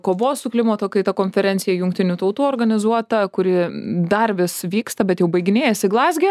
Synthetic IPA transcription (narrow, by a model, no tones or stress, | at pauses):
koːʋoːssʊklʲɪmɐt̪okɐɪt̪ɐkoːnʲfʲɛɾʲɛnʲsʲɪjɛjʊŋkt̪ʲɪnʲuːt̪ɐʊt̪uːoːrɡɐnʲɪzuɔt̪ɐkʊɾʲɪd̪ɐrʋʲɪsʋʲiːkst̪ɐbʲɛt̪jɛʊbɐɪɡʲɪnʲeːjɛsʲɪɡlˠɑːzʲɡʲe